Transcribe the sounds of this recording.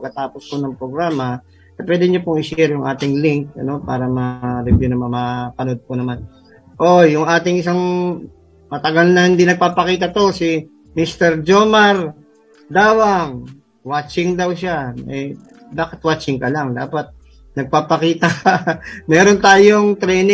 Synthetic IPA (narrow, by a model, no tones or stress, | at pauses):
pɐɡkɐt̪aːpospʊnɐŋpɾoɡɾaːmɐ | ʔɛpwɛːd̪ɪɲopʊŋɪʃɛɾjʊŋʔa̰ːt̪ɪŋliŋk̚ɐ̰no̞paːɾɐmɐɾɪbjunɐmanmɐpɐnod̪̚pʊnɐman | ʔo̞jʊŋʔaːt̪ɪŋʔɪs̬aŋ | mɐt̪ɐɡalnɐhɪnd̪inɐɡ̚paːpɐkiːt̪̬ɐt̪o̞sɪ | mist̪ɛɾd͡ʒomɐɾ | d̪aːwɐŋ | wat͡ʃɪŋd̪ɐwʃaʔɛ | baːkɪt̪̚waːt͡ʃɪŋkɐlaŋd̪aːpɐt̪̚ | nɐɡ̚paːpɐkiːt̪ɐ | mɛːɾont̪aːjoŋt̪ɾɛjnɪ